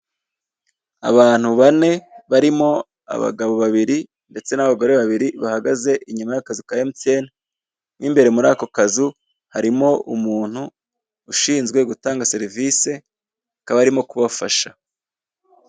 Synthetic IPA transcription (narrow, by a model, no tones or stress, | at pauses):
a̰βaːn̥huβane̞βaɾimo̞ | a̰βa̰ɡaβo̞βaβiɾi | nde̞t͡se̞naβaɡo̞ɾe̞βaβiɾiβahaɡaze̞ʔiɲumajakazukajemit͡se̞ːna | niːmbe̞ɾe̞muɾaːko̞kazu | haɾimo̞umuːn̥huː | ʃiːnzɡwe̞ɡutaːŋɡase̞ɾiviːse̞ | kaβaɾimo̞kuβafaʃa